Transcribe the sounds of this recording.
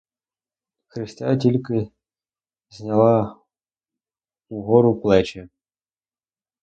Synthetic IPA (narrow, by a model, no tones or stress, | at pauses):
xɾɨsʲtʲatʲilʲkɨ | zʲnʲalˠa | uɣɔɾuplˠɛt͡ɕɛ